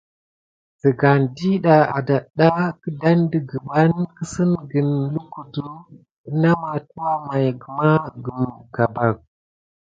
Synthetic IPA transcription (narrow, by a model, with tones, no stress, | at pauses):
tə˨ɡa˨ndi˦ɗa˨a̰˨da˨ɗa˦kə˦da˦ndi˦ɡə˨ba˦nkə˦sə˦nɡə˨nlu˦ku˨tu˦ | na˦ma˨tu˦wa˦ma˨jɡə˨ma˦ɡə˨mka˨ba˨k̚